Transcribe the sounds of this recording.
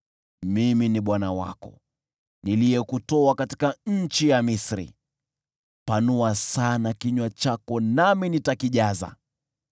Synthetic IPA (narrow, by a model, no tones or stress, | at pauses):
miminiɓwanawa̰kɔ̰ | niliɛkutɔakati̥kaɲ̩t͡ʃijamisɾḭ | panuasanakiɲwat͡ʃakɔnaminitakiʄaza̰